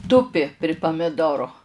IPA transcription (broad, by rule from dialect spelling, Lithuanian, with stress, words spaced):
ˈtʊpʲɪ pʲrʲɪ pɐmʲɪˈdoːroː